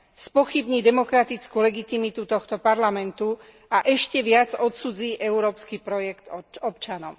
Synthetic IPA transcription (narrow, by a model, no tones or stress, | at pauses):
spɔxibɲiːd̪ɛmɔkɾat̪it͡skulɛɡit̪imit̪ut̪ɔxt̪ɔpaɾlamɛnt̪u | aʔɛʃcɛʋɪad͡zɔt̪suːd͡ziːʔɛuɾɔːpskipɾɔjɛkt̪ɔpt͡ʃanɔʊ